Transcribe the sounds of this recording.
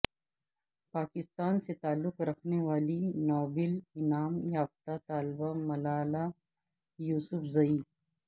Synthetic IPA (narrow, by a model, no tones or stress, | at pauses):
paːkɪst̪aːnset̪aːlːʊqɾɐkʰneʋaːlinɔːbɪlɪnaːmjaːft̪at̪aːlbamɐlaːla | juːsʊfzɐiː